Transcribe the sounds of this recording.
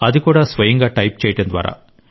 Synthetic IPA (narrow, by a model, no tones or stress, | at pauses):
ɐðikuːɽaːsʋɐjɐŋɡaːʈɐjp̚t͡ʃɛːjɐʈːɐnd̪ʋa̰ːɾa̰ː